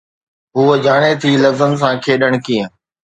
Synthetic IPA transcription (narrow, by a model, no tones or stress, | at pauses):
ɦuəd͡ʑaːɽ̃et̪ʰiːləzəns̬ãːkʰeːɗəɽ̃kiːə̃